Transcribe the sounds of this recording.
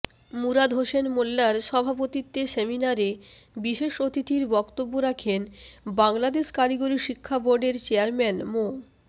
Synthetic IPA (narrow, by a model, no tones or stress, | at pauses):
muɾad̪ɦoʃenmolːaɾʃɔbʱapot̪it̪ːeseminaɾebiʃeʃot̪it̪iɾbɔkt̪obːoɾakʰenbaŋlad̪eʃkaɾiɡoɾiʃikʰːaboɾɖeɾt͡ɕeaɾmɛnmo